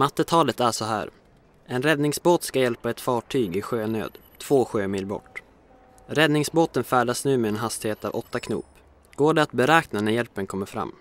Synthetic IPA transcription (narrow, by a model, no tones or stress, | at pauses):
mat̪ːət̪ʰɑːlət̪æʂɔɦæ̰ːɾ | ʔɛnɾɛd̪nɪŋsboːt̪skajɛlpaɛt̪fɑːʈʰyːɡɪɧøːnø̰ːd̪ | t̪ʰv̥oːɧøːmiːlbɔ̰ʈː | ɾɛd̪nɪŋsboːt̪ənfæːɖasnʉ̟ːmɛɛnɦast̪ɪheːt̪ɑ̰vɔt̪ːakʰnṵːp | ɡ̥oːɖɛat̪̚bɛɾɛːknanæɾjɛlpənkʰɔmːəɾfɾa̰mː